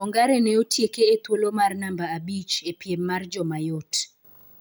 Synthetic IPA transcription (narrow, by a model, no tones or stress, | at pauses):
ɔŋɡaɾɛnɛotjekeːt̪wolomarnambaːbit͡ʃepjemːard͡ʒɔmajot